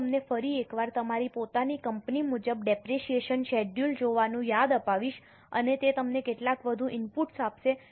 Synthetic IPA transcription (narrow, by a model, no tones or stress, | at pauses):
mnefəɾiekʋaɾt̪əmaɾipot̪anikəmpnimud͡ʒəbɖɛpɾeʃieʃənʃɛɖjuld͡ʒoʋanũjad̪əpaʋiʃ | ə̰net̪et̪əmnekeʈlakʋəd̪ʱũʔɪmpuʈsapʃe